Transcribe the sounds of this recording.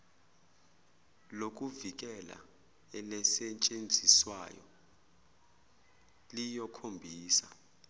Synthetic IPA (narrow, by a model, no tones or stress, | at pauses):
lok̬uvik̬ɛla̰ | ɛlɛsɛt͡ʃʼend͡zʱiswa̰jɔ̰ | lijɔkʰombʱiːsa